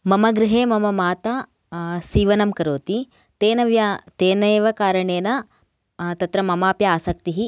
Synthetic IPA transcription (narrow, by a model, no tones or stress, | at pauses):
mɐmɐɡɾɪɦeːmɐmɐmaːt̪aː | siːʋɐnɐmkɐɾoːt̪i | t̪eːnɐʋjat̪eːnɐjʋɐkaːɾɐɳeːnɐ | t̪ɐt̪ɾɐmɐmaːpjɐaːsɐk̚t̪iɦi